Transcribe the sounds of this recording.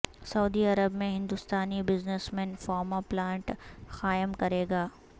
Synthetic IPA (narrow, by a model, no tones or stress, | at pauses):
sɐːd̪iɐɾəbmẽɦɪ̃nd̪ʊst̪aːnibɪznəsmɛ̃nfɔːɾmaplãːɳʈxaːjəmkɐɾeːɡaː